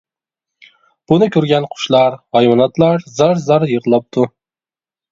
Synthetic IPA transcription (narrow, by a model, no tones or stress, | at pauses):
b̥unɨkʲʰøɾɡʲɛnqʰʊ̥ʃlˠɑɾhɑjmɑnɑt̪lˠɑɾzɑɾzɑɾjəʁəlˠɑp̚t̪ʰu